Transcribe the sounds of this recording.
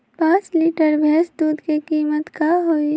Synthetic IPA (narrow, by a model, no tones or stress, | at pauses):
pãːt͡ʃliːʈəɾbʱɛːsd̪uːd̪ʱkekiːmət̪kaɦoi